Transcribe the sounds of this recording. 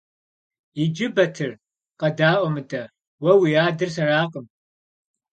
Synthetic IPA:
jɪd͡ʒɪbɐtʰɨr | qɐdaːʔʷɔmɨdʼɐ | wɐwijaːdɨrsɐraːqʼəm

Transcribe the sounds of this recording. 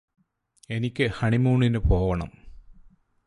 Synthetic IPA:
e̞nikʲːɨhɐɳimuːɳːinɨpo̞ːʋɐɳɐ̰m

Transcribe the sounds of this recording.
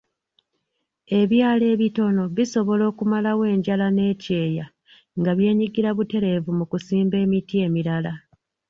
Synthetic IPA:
e̞βjaːle̞ːβito̞no̞βiso̞βo̞lo̞ːkumalawe̞ːɲɟalane̞ːce̞ːja | ŋɡaβje̞ːɲiɡiɾaβute̞ɾe̞vumukusiːmbe̞ːmitie̞ːmiɾala

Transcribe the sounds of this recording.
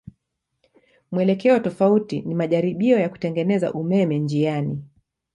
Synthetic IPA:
mwɛlɛkɛɔtɔfautinimaʄaɾiɓiɔjaku̥tɛŋɡɛnɛza̰ʔumɛmɛnd͡ʒiani

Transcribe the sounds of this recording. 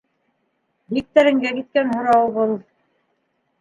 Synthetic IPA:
bik̚t̪æɾɘ̆ŋɡækit̪̚kænɦŏɾɑwβɤlˠ

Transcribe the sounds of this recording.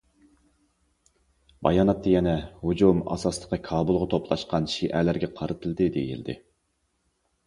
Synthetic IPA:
bɑ̰jɑːnɑt̪ːɑjɛnɛhud͡ʒumɑ̰sɑslˠə̥qːɑkʰɑːbulˠʁɑt̪ʰopʰlˠɑʃqɑnʃiʔɛlæɾɡʲɛqʰɑɾɨt̪ʰɨlˠd̪ɨd̪ḛjḭld̪ɪ̰

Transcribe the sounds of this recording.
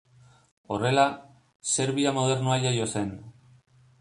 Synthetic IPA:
o̞re̞la | se̞ɾβiamo̞ð̞e̞ɾnuajajo̞se̞n

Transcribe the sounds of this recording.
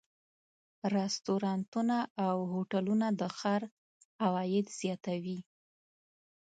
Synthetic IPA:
ɾɛst̪oɾɑnt̪unaawhoʈalunad̪əxɑɾ | awɑjɪd̪z̥jɑt̪awi

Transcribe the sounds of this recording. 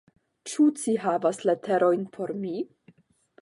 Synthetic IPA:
t͡ʃut͡siɦavasletʰeɾo̞jnpʰo̞ɾmi

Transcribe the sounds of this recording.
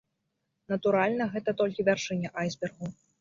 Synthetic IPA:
nɐt̪uɾalʲnɐɣɛt̪ɐt̪ɔlʲkʲivʲarʂɨnʲɛʔajzbʲɛrɣu

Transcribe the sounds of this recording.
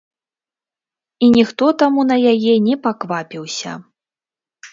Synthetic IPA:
inʲixt̪ɔt̪amun̪ɐjajɛnʲɛpakvapʲiwsʲɐ̰

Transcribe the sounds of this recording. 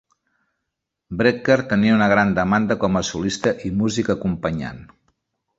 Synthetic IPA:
bɾekeɾt̪əniəunəɣɾand̪əmand̪əkɔməsulist̪əʔimuzikəkumpəɲa̰n

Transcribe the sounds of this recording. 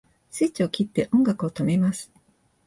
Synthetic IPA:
sɨːt͡ɕio̞kʲit̪ːe̞ʔõ̞ŋɡakɯ̟o̞t̪o̞me̞masɨ̥

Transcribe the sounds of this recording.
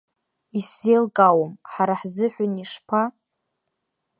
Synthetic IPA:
isːelɡʼawomħaɾaħzɨħʷʊniʂpʰa

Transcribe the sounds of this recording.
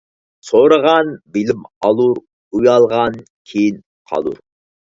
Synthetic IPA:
soɾəʁɑnbɪlɪmɑlˠuɾ | ujɑlˠʁɑn | kʲʰejin | qʰɑ̰lˠṵɾ

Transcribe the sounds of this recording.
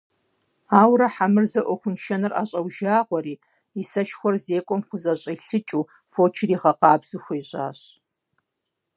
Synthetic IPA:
aːwɾɐħamɨrzɐʔʷɔxʷʊnʃɐnɨra̰ːɕʼɐwʒaːʁʷɔriː | isɐʃxʷɔrzeːkʷʼɔmχʷʊzɐɕʼiɬɨt͡ʃʼuː | foːt͡ʃʰɪriːʁɐqɑːbz̥uxʷiːɕʼa̰ːɕ

